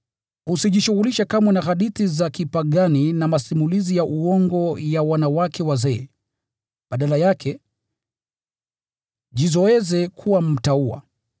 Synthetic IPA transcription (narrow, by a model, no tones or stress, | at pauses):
husiʄiʃuɣuliʃakamwɛnaɣaɗiθizakipaɠaninamasimulizijaʔuɔŋɡɔjawanawakɛwazɛː | ɓaɗalajakʰɛ | ʄizɔɛzɛkʰuwam̩taua̰